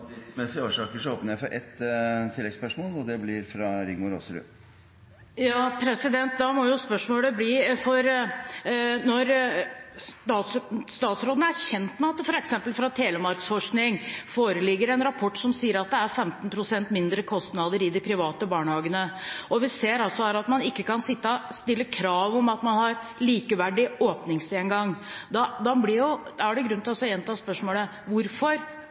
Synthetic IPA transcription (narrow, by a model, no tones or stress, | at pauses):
smɛsɪəoːʂɑːkəʂɔoːpnəɾjæɪfɔɾʔɛt̪ːt̪ʰɪlːɛɡspœʂmoːlɔd̪ɛblɪɾfɾɑɾɪɡmʊɾo̰ːsəɾʉ̰ | jɑːpʰɾɛsɪd̪ɛnt̪̚d̪ɑmɔjʊspœʂmoːləbliːfɔɾ | nɔɾ | ɑst̪ɑːt̪sɾoːd̪nəæɾçɛnt̪mɛɑt̪ːəfɔɾɛksɛmpəlfɾɑt̪ʰeːʋ̪əmɑɾkt̪sfɔʂknɪŋfoːɾəlɪɡːəɾɛnɾɑpʰɔʈːsɔmsiːəɾɑt̪̚d̪ɛæɾfɛmt̪npʰɾʊsɛnt̪mɪnd̪ɾəkʰɔst̪nɑːd̪əɾɪd̪ɪpʰɾɪʋɑːt̪əbɑːɳəhɑːɡənəɔʋɪseːɾɑlsɔhæːɾɑt̪mɑnɪkːəkɑnsɪt̪ːɑst̪ɪlːəkʰɾɑːʋɔmɑt̪mɑnhɑɾliːkəʋæɖɪoːpnɪŋsɪɛnɡɑŋːd̪ɑd̪ɑblɪɾjʊd̪æɖɛɡɾʉnɪlɑslɔɛnt̪ʰɑːspœʂmoːlə | ʋʊɾfɔɾ